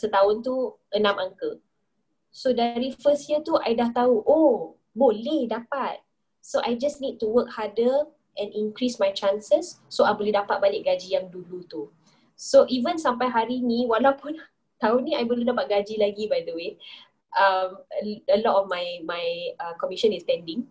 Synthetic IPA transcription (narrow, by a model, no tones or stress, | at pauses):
sət̪aʊnt̪uʔənãmaŋkə | sodaɾifəstjət̪uʔajdaht̪auʔo | bolɛhdapat̪̚ | soʔajd͡ʒasnid̚tuwək̚hadə | ʔɛ̃nĩŋkɾismajt͡ʃãnsəsːoajbolehdapat̪̚balɪk̚ɡad͡ʒijaŋdulut̪u | soʔivənsampajɦaɾinĩwalawpʊn | t̪aunĩajboledapat̪̚ɡad͡ʒilaɡibajd̪əwe | ʔaməəlɔtɔfmajmajəkɔmiʃə̃nistɛ̃ndɪ̃ŋ